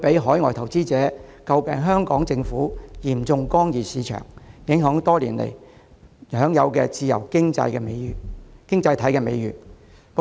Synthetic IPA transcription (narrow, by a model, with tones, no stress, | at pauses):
pe˨˥jɦɔː˨˥jŋɔ̰ː˨˩jt̪ʰɐ˨˩wt͡siː˥t͡sɛː˨˥kɐ˧wpɛː˨˧ŋɦœː˥ŋkɔː˨˥ŋt͡sɪ˧ŋfuː˨˥jiː˨˩mt͡sʊ˧ŋkɔː˥ŋjiː˨siː˨˧t͡ʃʰœ̰ː˨˩ŋjɪ˨˥ŋɦœː˨˥ŋt̪ɔː˥liː˨˩nlḛ˨˩j | hœː˨˥ŋjɐ˨˧wkɛ̰ː˧t͡siː˧jɐ̰˨˩wkɪ˥ŋt͡sɐ̰˧jkɛ˧me˨˧˨kɪ˥ŋt͡sɐ˧jt̪ʰɐ˨˥jkɛː˧mḛ˨˧jɥyː˨˩n | p